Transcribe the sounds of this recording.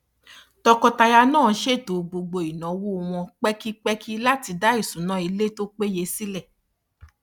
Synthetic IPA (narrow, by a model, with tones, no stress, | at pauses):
tɔ˧kɔ˧ta˧ja˧nãː˦˨˦ʃe˦˨to˨ɡ͡bo˧ɡ͡bo˧˨i˨nã˨˦wo˦˧w̃ɔ̃˧k͡pɛ˦ki˦k͡pɛ˦ki˦la˦ti˧da˦i˦˨sũ˨˦nã˦i˧le˦to˦k͡pe˦je˧˦si˦lɛ˦˨